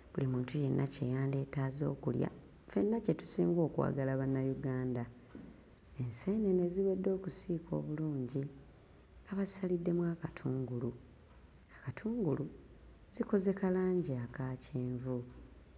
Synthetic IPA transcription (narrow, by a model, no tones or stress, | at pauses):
βulimuːntuje̞nːace̞ːjaːnde̞ːtaːzo̞ːkulja̰ | fe̞nːace̞tu̥siːŋɡo̞ːkwa̰ːɡalaβanːajuɡaːnda | e̞nse̞ːne̞neziwe̞dːo̞ːkusiːkʰo̞̰ːβuluːɲɟi | aβazi̥salidːe̞mwaːkatʰuːŋɡulu | akatʰuːŋɡulu | z̥iko̞ze̞kalaːɲɟiakaːcʰeːɱvu